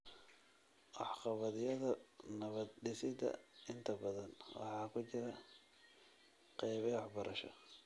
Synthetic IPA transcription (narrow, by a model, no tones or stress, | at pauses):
ʔɑħqɑβɐðɪjɐðɐnɐβɐd̪ɖɪsɪd̪ɐ̰ɪnt̪ʰɐbɐðɐnwɑ̰ħɑːkʰʊt͡ʃɪɾɐ | qɛjβɛwɑħbɐɾʔɐʃɐ̰